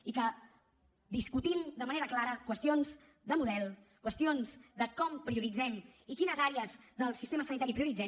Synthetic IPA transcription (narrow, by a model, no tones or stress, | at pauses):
ikə | d̪iskut̪imd̪əməneɾəklaɾəkwəst̪ionz | d̪əmuðɛlˠ | kwəst̪ionzd̪əkɔmpɾiuɾid͡zɛmikinəzaɾeəzðəlˠsist̪eməsənit̪aɾipɾiuɾid͡zɛ